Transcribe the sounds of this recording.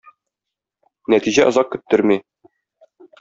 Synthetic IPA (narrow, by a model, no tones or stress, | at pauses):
næt̪iʑæʔŏzɑq̚kɵ̆t̪ːɵɾmi